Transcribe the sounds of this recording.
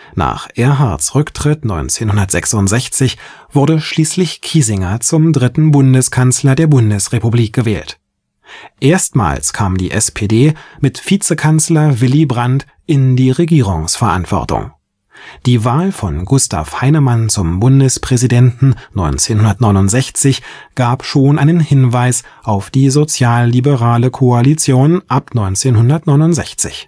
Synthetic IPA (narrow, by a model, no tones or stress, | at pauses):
na̰ːχʔeːɐɦaɐtsʁʏktʁ̥ɪtnɔʏnt͡seːnhʊndɐtz̥ɛksʊntz̥ɛçt͡sɪç | v̥ʊɐdəʃliːslɪçkʰiːzɪŋɐt͡sʊmdʁɪtn̩bʊndəskʰanslɐdeːɐbʊndəsʁepubliːk̚ɡ̥əvɛːlt | ʔeːɐstma̰ːlskʰaːmdḭːʔɛspʰeːdeːmɪtfiːt͡səkʰanslɐvɪlibʁant | ʔɪndiːʁeɡiːʁ̞ʊŋsfɛɐʔa̰ntv̥ɔ̰ɐtʊ̰ŋ | d̥iːvaːlfɔnɡʊstʰa̰fhaɪnəmant͡sʊmbʊndəspʁ̥ɛzidɛntn̩nɔʏnt͡seːnhʊndɐtnɔʏnʊntz̥ɛçt͡sɪçɡ̥aːpʃoːnʔaɪnənhɪnvaɪsʔaʊfd̥iːzot͡sjaːlːibəʁaːləkʰoalit͡sjoːnʔapnɔʏnt͡seːnhʊndɐtnɔʏnʊntz̥ɛ̰çt͡sɪ̰ç